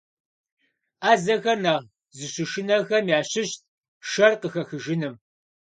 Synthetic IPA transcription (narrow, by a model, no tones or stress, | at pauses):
aːzɐɣɐrnɐʁ | zɨɕʊʃɪnɐɣɐmjaːɕɪɕt̚ʰ | ʃɐrqəxɐxɨʒɪnɨm